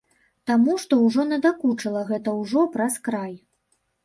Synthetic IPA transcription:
t̪amuʂt̪ɔwʐɔnɐd̪akut͡ʂɐlˠɐɣɛt̪ɐwʐɔpɾɐskɾaj

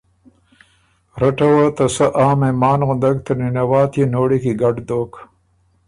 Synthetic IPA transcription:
ɾɐʈɐwɐt̪ɐsɐʔaːmemaːnɣʊnd̪ɐkt̪ɐninɐwaːt̪ʰjinoːɽikiɡɐɖd̪oːk

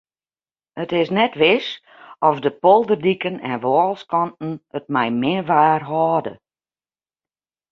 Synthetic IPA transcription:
ətɪsnɛtʋɪs | ɔfdəpɔlˠdərdikənɛ̰nʋɔːlˠskɔntn̩ət̚mɛjmɪʋaːrɦɔːdə

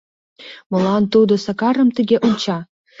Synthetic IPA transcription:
mŏlˠɑnt̪ud̪osɑkɑɾə̆mt̪ɘ̆ɡʲeʔunt͡ɕɑ

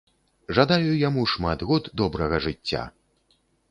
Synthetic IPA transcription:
ʐad̪ajujamuʂmat̪ɣɔt̪d̪ɔbɾɐɣɐʐɨt͡st͡sʲːa̰

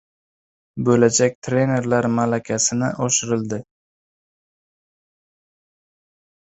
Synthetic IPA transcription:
bɵlad͡ʒak̚ʲt̪ʰɾe̞ne̞ɾlaɾmalakʲʰasɪnɪ̰ʔoʃɪɾɪlˠd̪ɪ

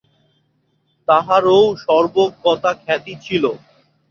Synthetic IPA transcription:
t̪aɦaɾowʃɔɾbokːɔt̪akʰɛt̪it͡ɕʰilo

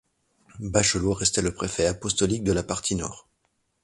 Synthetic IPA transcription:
baʃəlwoʁɛst̪ɛləpχefɛapɔst̪ɔlik̚d̪əlapaʁt̪ʰinɔ̰ːʁ

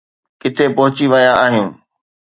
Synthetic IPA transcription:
kɪt̪ʰepɐɦʊt͡ɕiʋɐjaaːɦɪjũː

